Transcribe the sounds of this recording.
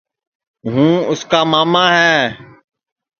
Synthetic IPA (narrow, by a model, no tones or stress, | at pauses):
ɦũːʊskaːmaːmãːɦɛː